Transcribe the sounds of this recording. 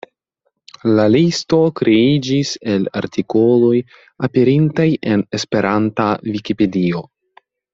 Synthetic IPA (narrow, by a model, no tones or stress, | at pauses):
lalisto̞kɾeid͡ʒise̞la̰ɾtʰiko̞lo̞j | ape̞ɾintaje̞ne̞spe̞ɾʔantavikipe̞dio̞